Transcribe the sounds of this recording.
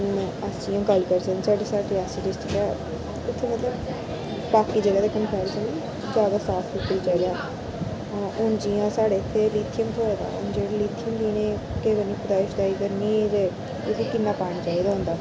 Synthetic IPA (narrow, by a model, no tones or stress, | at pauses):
ʊnəsĩːõːɡəlkəɾsənːsaːɖeːsaːʈeasəʈɪsʈɪkaː | ʊt̪ʰːeːmət̪ləb | paːkiːd͡ʒeːɽaːd̪aːkəmpʰɛːɾesəni | d͡ʒjaːd̪aːsaːsʰʊkːəid͡ʒaːid̪aː | ʔʊnd͡ʒijãːsaːɽeːɪt̪ʰːeːliːt̪ʰijəmt̪ʰoːɾaːd̪a̰ːʊ̰nd͡ʒeːɽaliːt̪ʰijəmd̪iːnẽː | keːʋəniːpʊd̪aːɪʃd̪aːiːkəɾniːzeː | ɪt̪ʰːekɪnːaːpaːɽ̃aːt͡ʃaːiːd̪aːɦʊ̃nd̪aː